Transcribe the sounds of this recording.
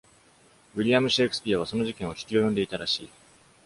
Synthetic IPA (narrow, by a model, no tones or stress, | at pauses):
βiɾʲijamɯ̟ɕekɯsɨ̥pʲijaβ̞aso̞no̞ʑikẽɰ̃o̞kʲi̥kʲio̞jõ̞nd̪e̞it̪aɾaɕḭː